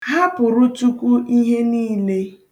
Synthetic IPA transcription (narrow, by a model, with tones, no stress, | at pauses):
ɦa˦pʊ˨ɾʊ˦tu˦kʷu˦ʔi˦ɦe˦niː˦le˦